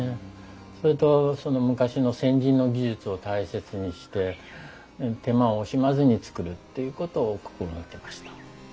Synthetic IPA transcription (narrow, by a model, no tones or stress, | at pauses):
e | so̞ɾet̪o̞so̞no̞mɯ̟kaɕino̞sẽ̞ɲ̟d͡ʑĩnːo̞ɡʲiʑɨt͡sɨo̞t̪aise̞t͡sɨɲ̟iɕi̥t̪e̞ | t̪e̞maoːɕimazɨɲ̟it͡sɨ̥kɯ̟ɾɯ̟t̪ːe̞jɯ̟ko̞t̪o̞ːko̥kɯonat̪ːe̞maɕi̥t̪ḁ